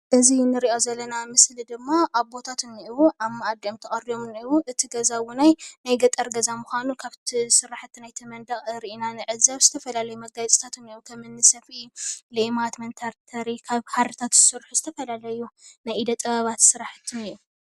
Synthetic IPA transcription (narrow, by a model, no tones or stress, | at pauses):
ʔɨzinːɨɾiʔo̞zɐlːɐnamɨslid̪ɨmːaʔaβbo̞t̪ʰat̪ʰɨnːiʔiwuʔammːaʔad̪emt̪ʰɐχʼɐɾiomniwuʔɨt̪ʰiɡɐzawunajnajɡɐt̪ʼɐɾɡɐzamuxʷanukʰaβt̪ʰisɨɾaħt̪ʰːinajt̪ʰɨmɐnd̪aχʼɨɾiʔinanɨʕɨzɐβzɨt̪ʰɐfɐlalɐjumɐɡajt͡sʼt̪ʰat̪ʰɨniwukʰɐmɨnːɨsɐfilemat̪mɐnt̪ʰaɾt̪ʰɐɾikʰaβħaɾɨt̪ʰat̪zɨsɨɾħuzɨt̪ʰɐfɐlalɐjunajid̪ɐt̪ʼɐβɐβat̪sɨɾaħt̪ʰːɨniju